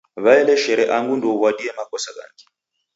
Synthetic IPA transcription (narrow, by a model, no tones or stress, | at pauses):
βaɛlɛʃɛɾɛʔaŋɡundɔβwadiɛmakɔsaka̰ŋɡɛ